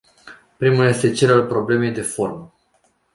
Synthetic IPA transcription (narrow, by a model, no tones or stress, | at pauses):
pɾimulje̞st̪e̞t͡ʃe̞lalpɾo̞ble̞me̞jd̪e̞fo̞rmə